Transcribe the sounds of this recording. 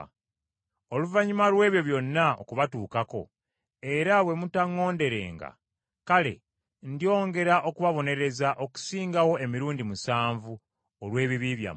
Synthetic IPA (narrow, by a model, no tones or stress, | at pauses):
o̞luvaɲimalwe̞ːβjo̞βjo̞nːao̰kuβatuːkako̞̰ | e̞ɾawe̞mutaŋːo̞ːnde̞ɾe̞̰ːŋɡa̰ | kale̞̰ | ndio̞ːŋɡe̞ɾaʔo̞kuβaβo̞ne̞ɾe̞zaʔoku̥siːŋɡawo̞e̞miɾuːndimusaːɱvu | olwe̞ːβiβiβja̰